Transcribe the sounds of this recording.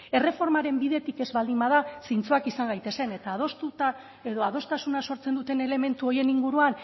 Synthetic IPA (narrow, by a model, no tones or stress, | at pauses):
e̞re̞fo̞ɾmaɾe̞mbiðe̞t̪ike̞zβald̪imbaðasint͡soakisaŋɡajt̪e̞se̞ne̞t̪aːðo̞st̪ut̪a | e̞ðo̞að̞o̞st̪asunaso̞ɾt͡se̞nd̪ut̪e̞ne̞le̞me̞nt̪uo̞je̞niŋɡuɾuan